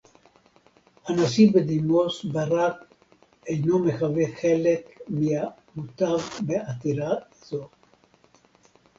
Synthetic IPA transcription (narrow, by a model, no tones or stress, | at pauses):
hanasibed̪imosbaɾak | ejnomeχaveχe̞lekmia | mut̪avbeat̪iɾa | zo